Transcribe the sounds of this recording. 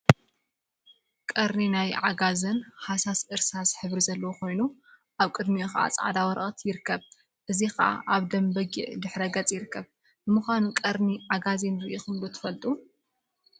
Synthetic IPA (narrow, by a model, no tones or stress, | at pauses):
kʼɐɾninajʕaɡazɐnħasasʔɨɾsasħɨβɾizɐlːɐwokʰo̞jnu | ʔaβkʼɨd̪mijoxɐʔa̰t͡sʼʕa̰d̪awɐɾʔʼɐt̪jɪɾɨkʰːɐβ | ʔɨzixɐ̰ʔa̰ʔaβd̪ɐmbɐɡḭʕd̪ɨħɾɐɡɐt͡sʼjɪɾɨkʰːɐβ | bɨmɨxʷanukʼɐɾniʕaɡazinɾɨʔoxɨmlot̪ʰɨ̥fɐlt̪ʼu